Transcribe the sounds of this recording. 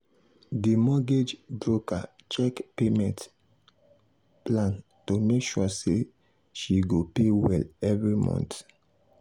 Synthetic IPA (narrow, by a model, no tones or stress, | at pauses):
dimɔɡed͡ʒbɹoka | t͡ʃɛkpemɛ̃nt | plãn | tomekʃuse | ʃiɡopewɛ̰lɛvɹimɔ̰̃nt